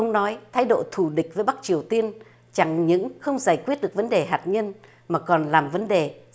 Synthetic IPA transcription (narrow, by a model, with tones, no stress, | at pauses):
ə˧wŋ͡mnɔ˨˦jt̪ʰaː˨˦jɗo̰˧˨t̪ʰu˧˩ɗï˨˩k̟̚vəː˨˦jɓa˦˥k̚t͡ɕi˨˩əwt̪i˧ən | t͡ɕa˧˩ŋɲɨ̰˧˥ŋxə˧wŋ͡mzaː˧˩jkwi˦˥ət̚ɗəkvə˨˦nɗe˨˩ɦaː˨˩t̚ɲə˧n | maː˨˩kɔ˨˩nlaː˨˩mvə˨˦nɗe˨˩